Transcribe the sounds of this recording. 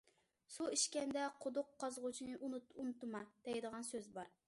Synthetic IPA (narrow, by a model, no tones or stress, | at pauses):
suiʃkʲɛnd̪ɛqʰod̪ʊqʰːɑzʁʊt͡ʃʰinɨʔununɨt̪ːɨmɑd̪̥ɛjd̪əʁɑnsøzbɑɾ